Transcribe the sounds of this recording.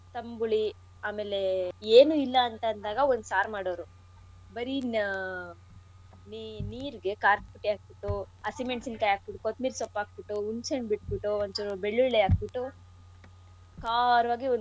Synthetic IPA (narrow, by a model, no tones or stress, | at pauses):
t̪ɐmbuɭi | aːmeːle̞eːnuilːɐːnt̪ɐːnd̪aːɡɐond̪saːɾmaːɽoːɾu | bɐɾin | niniːɾɡe̞kaːɾk̚piʈːiaːk̚biʈːu | ɐsimeɳʈsinkɐjaːk̚biʈːukot̪̚miːɾsɔpːaːk̚biʈːuunseɳbiʈ̚biʈːuond̪obeɭːuɭleaːk̚biʈːu | kaːɾʋaːɡion